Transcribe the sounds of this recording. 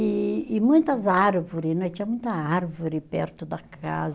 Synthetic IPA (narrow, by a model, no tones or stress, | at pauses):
ɪɪmũj̃t̪ɐzaɾvoɾɪnɐ̃t͡ʃĩɲɐmũj̃t̪ɐaɾvoɾɪpɛɾt̪ʊd̪ɐkʰa̰z